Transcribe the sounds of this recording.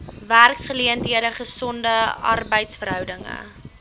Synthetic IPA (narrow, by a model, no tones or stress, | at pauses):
værksχəliəndiəɾdəχəsɔndəɐ̰rbəjtsfərɦœwdəŋə̰